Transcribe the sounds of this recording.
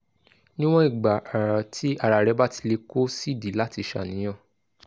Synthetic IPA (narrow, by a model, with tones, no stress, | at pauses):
nĩ˦w̃ɔ̃˦i˦˨ɡ͡ba˨ʔa˨ɾa˨tʰi˦a˦˨ɾa˨ɾɛ˨˧˦ba˦ti̥˧le˧ko˦si˦˨di˨˦la˦ti˧ʃa̰˦˨nĩ˨˦j̃ã˦˨